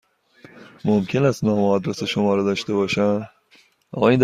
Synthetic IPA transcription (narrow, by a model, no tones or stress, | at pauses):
momkʲʰenæst̪nɒːmɒːd̪ɾeseʃomɒːɾed̪ɒːʃt̪ebɒːʃæn | ɒ̰ɣɒːiːnd̪